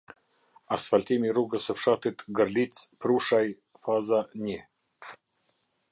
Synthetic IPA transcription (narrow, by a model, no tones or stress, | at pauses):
asfalʲt̪imʲiɾuɡəsəfʂat̪ɨt̪ɡəɾlʲit͡spɾuʂaj | fazanʲe